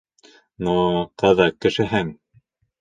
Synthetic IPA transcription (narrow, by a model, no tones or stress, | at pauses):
nuqɤðɑkːɘ̆ʃɘ̆ɦɘŋ